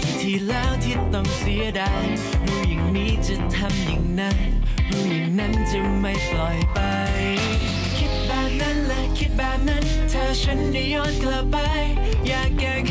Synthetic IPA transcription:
t̪ʰiː˧˩lɛː˦˥wt̪ʰi˧˩t̪ɔ˨˩ŋsi˨˦ədaː˧˩j | ɾuː˧˥ja˨˩ŋmiː˦˥t͡ɕa˧˩t̪ʰa˧mja˨˩ŋna˧˥nɾuː˨˧˥ja˨˩ŋna˦˥nt͡ɕa˧˩ma˧˩jplɔ˨˩jpa˧j | kʰi˦˥t̪̚bɛː˨˩p̚na˦˥nlɛː˦˧˥kʰi˦˥t̪̚bɛː˨˩p̚na˦˥n | t̪ʰaː˨˧t͡ɕʰə˧˥nda˧˩jjɔː˧˩nkla˧ppːa˧j | jaː˨˩ŋːɛː˨˩

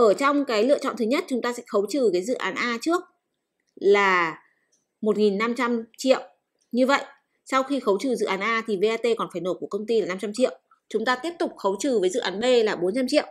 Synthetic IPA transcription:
ʔəː˧˩t͡ɕɔ˧wŋ͡mkaː˨˦jlɨ̰˧ət͡ɕɔ̰˧˨nt̪ɨ˨˦ɲə˦˥t̚t͡ɕʊ˨˦ŋ͡mt̪aː˧sɛ̰˧˥xə˨˦wt͡ɕɨ˨˩kaː˨˦jzɨ̰˧˨ʔaː˨˦nʔaː˧t͡ɕɨ˦˥ək̚ | laː˨˩ | mo˨˩t̚ŋi˨˩nːa˧mt͡ɕa˧mt͡ɕḭ˧˨əw | ɲɨ˧və̰˧˨jʔ | sa˧wxi˧xə˨˦wt͡ɕɨ˨˩zɨ̰˧˨ʔaː˨˦nʔaː˧t̪ʰi˨˩ve˧ʔaː˧t̪e˧kɔ˨˩nfaː˧˩jno˨˩ku˧˩əkə˧wŋ͡mt̪i˧la˨˩na˧mt͡ɕa˧mt͡ɕḭ˧˨əw | t͡ɕʊ˨˦ŋ͡mt̪aː˧t̪i˦˥əp̚t̪ʊ˨˩k͡p̚xə˨˦wt͡ɕɨ˨˩vəː˨˦jzɨ̰˧˨ʔaː˨˦nɓe˧laː˨˩ɓo˨˦nt͡ɕa˧mt͡ɕḭ˧˨ə˨wʔ

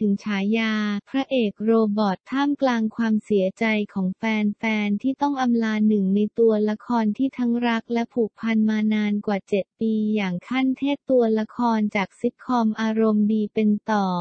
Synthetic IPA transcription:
t̪ʰɯ˩˦ŋt͡ɕʰaː˩˦jaː˧pʰɾa˦˥ʔeː˨˩k̚ɾoː˧bɔː˨˩t̪ʰːaː˥˩mklaː˧ŋkʰwaː˧msi˩˦ɐt͡ɕa˧jkʰɔː˩˦ŋfɛː˧nfɛː˧nt̪ʰiː˥˩t̪ɔ˥˩ŋʔa˧mlaː˧nɯ˨˩ŋna˧jt̪u˧ɐla˦˥kʰɔː˧nt̪ʰiː˥˩t̪ʰa˦˥ŋɾa˦˥k̚lɛ˦˥pʰuː˨˩k̚pʰa˧nmaː˧naː˧nkwaː˨˩t͡ɕe˨˩t̪̚piː˧jaː˨˩ŋkʰa˥˩nt̪ʰeː˥˩t̚t̪ːu˧əla˦˥kʰɔː˧nt͡ɕaː˨˩k̚si˦˥t̪̚kʰɔ˧mʔaː˧ɾo˧mdiː˧pe˧nt̪ɔː˨˩

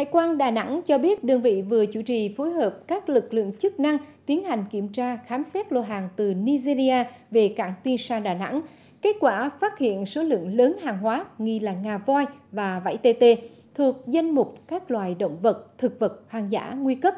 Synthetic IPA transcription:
ha̰ː˧˨jkwaː˧nɗaː˨˩na̰˧˥ŋt͡ɕɔ˧ɓi˦˥ət̚ɗə˧ŋvḭ˧˨vɨ˨˩ət͡ɕu˧˩t͡ɕi˨˩fo˨˦jɦəː˨˩p̚kaː˦˥k̚lɨ˨˩k̚lɨ̰˧˨əŋt͡ɕɨ˦˥k̚na˧ŋt̪i˨˦ənha˨˩jŋ̟ki˧˩əmt͡ɕaː˧xaː˨˦msɛ˦˥t̚lo˧ɦaː˨˩ŋt̪ɨ˨˩ni˧zi˧zi˧ʔaː˧ve˨˩ka̰ː˧˩ŋt̪i˧nsaː˧ɗaː˨˩na̰˧˥ŋ | ke˦˥t̚kwaː˧˩faː˦˥t̚hḭ˧˨ənso˨˦lɨ̰˧˨əŋləː˨˦nɦaː˨˩ŋɦwaː˨˦ŋi˧laː˨˩ŋaː˨˩vɔ˧jvaː˨˩va̰˧˥˩jt̪e˧t̪e˧ | t̪ʰɨ˨˩ək̚za˧jŋmʊ˨˩k͡p̚kaː˦˥k̚lwaː˨˩jɗə̰˧˨wŋ͡mvə˨˩t̚t̪ʰɨ˨˩k̚və˨˩t̚hwaː˨˩ŋza̰ː˧˥ŋwi˧kə˦˥p̚

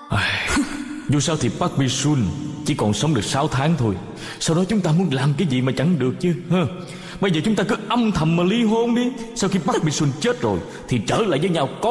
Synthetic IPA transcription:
ʔa˨˩j | zu˨˩saː˧wt̪ʰi˨˩ɓaː˦˥k̚ɓi˧swi˧nt͡ɕi˧˩kɔ˨˩nsə˨˦wŋ͡mɗɨ˨˩ək̚saː˨˦wt̪ʰaː˨˦ŋt̪ʰo˧j | saː˧wɗɔ˨˦t͡ɕʊ˨˦ŋ͡mt̪aː˧mu˨˦ənlaː˨˩mkaː˨˦jzḭ˨maː˨˩t͡ɕa˧˩ŋɗɨ˨˩ək̚t͡ɕɨ˧hə˧˩ | ɓə˧jzəː˨˩t͡ɕʊ˨˦ŋ͡mt̪aː˧kɨ˨˦ʔə˧mt̪ʰə˨˩mmaː˨˩li˧ɦo˧nɗi˧saː˧wxi˧ɓaː˦˥k̚ɓi˧swi˧nt͡ɕe˦˥t̚zo˨˩j | t̪ʰi˨˩t͡ɕəː˧˩la̰ː˧˨jvəː˨˦jɲaː˧wkɔ˨˦

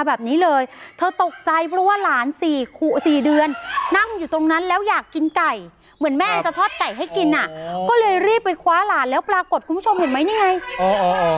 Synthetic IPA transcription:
bɛː˨˩p̚niː˦˥lɤː˧jt̪ʰɤː˧t̪o˨˩k̚t͡ɕa˧jpʰɾɔ˦˥waː˥˩laː˩˦˥nsiː˨˩kʰu˨˩siː˨˩dɯ˧ənːa˥˩ŋjuː˨˩t̪o˧ŋna˦˥nlɛː˦˥wjaː˨˩kːi˧nka˨˩j | mɯ˩˦ənmɛː˥˩˧t͡ɕa˨˩t̪ʰɔː˥˩t̪̚ka˨˩jɦa˥˩jki˧nʔa˨˩ʔkɔː˥˩lɤː˧jɾiː˥˩pːa˧jkʰwaː˦˥laː˩˦nlɛː˦˥wpɾaː˧ko˨˩t̪̚kʰu˧mpʰu˥t͡ɕʰo˧mːɯ˨˩˦ənma˦˥jniː˥˩ŋa˧joː˧ʔːʔ

